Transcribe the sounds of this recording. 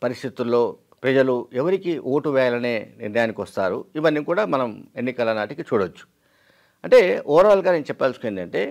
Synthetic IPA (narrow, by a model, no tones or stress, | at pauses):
pɐɾist̪it̪ulːo̞ː | pɾɐd͡ʒɐluɛʋɐɾikiʔoːʈuʋɛːjɐlɐne̞ːnḭɾnɐjaːnikʲʋɐst̪aːɾuiʋɐnːikuːɽaːmɐnɐme̞nːikɐlɐnaːʈikit͡ʃuːɽɐt͡ʃːu̥ | ɐɳʈe̞ːʔɔːɾaːlɡaːneːnut͡ʃɛpːaːlsu̥kojend̪ɐɳʈe̞ː